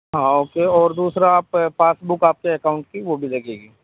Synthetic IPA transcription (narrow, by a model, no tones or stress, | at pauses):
ɦãːoːkeɔːɾd̪uːsɾaːpfaːsbʊkaːp̚keekaːʊ̃ɳʈ̚kiʋobʱilɐɡeːɡiː